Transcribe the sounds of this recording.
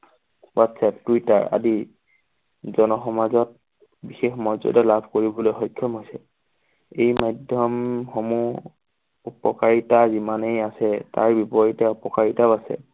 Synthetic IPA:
wɔtsɛp̚twita̰ɹa̰di | zɔnɔxɔmazɔt̚ | bixexmɔzɔ̰dɛlabʱkoɹibɔlojxɔjkʰːjɔmɦojsɛ | ejmajdʱjɔmxomu | upɔkaɹitazimanejasɛta̰ɹbipɔɹitɛɔpɔkaɹitabasɛ̰

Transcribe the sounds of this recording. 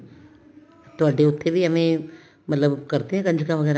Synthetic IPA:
t̪oɐɖeʊt̪ʰːebʱiɐmẽ | mɐt̪ləbkɐɾt̪eɦɛ̃kɐ̃nd͡ʒkãʋɐɡɛːɾa

